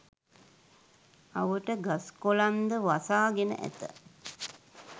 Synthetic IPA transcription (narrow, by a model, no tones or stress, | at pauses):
aʋəʈəɡaskoland̪əʋasaːɡenə̰ʔæ̰t̪ə̰